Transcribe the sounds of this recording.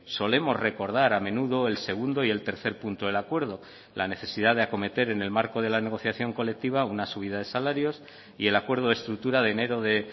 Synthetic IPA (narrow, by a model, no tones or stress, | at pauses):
so̞le̞mo̞zre̞ko̞ɾð̞aɾamẽ̞nuðo̞e̞lse̞ɣ̞und̪o̞ie̞lt̪e̞ɾθe̞ɾpunt̪oðe̞lakwe̞ɾð̞o | lʔane̞θe̞siðaðeako̞me̞t̪e̞ɾene̞lmaɾko̞ð̞e̞lane̞ɣ̞o̞θjaθjo̞ŋko̞le̞k̚t̪iβ̞aunasuβ̞iðaðe̞salaɾjo̞s | ie̞lakwe̞ɾð̞oest̪ɾukt̪uɾaðene̞ɾo̞ðe̞